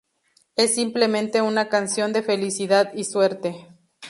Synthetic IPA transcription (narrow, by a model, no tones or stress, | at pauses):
esːimplemẽnt̪e̞unakansjo̞nd̪e̞felisiðaðiswe̞ɾt̪e